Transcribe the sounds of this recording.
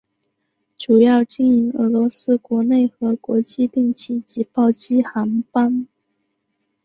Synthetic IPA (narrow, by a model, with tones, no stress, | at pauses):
ʈ͡ʂu˨˩jɑ˥˧ʊt͡ɕi˥˩ni˧˥ŋɤ˧˥lwɔ˧˥sɹ̩˥kwɔ˧˥ne˥˩ɪxɤ˧˥kwɔ˧˥t͡ɕi˥˧t̪i˥˩ŋt͡ɕʰi˧˥˩t͡ɕi˧˥pɑ˥˩ʊt͡ɕi˥xa˧˥npa˥˩n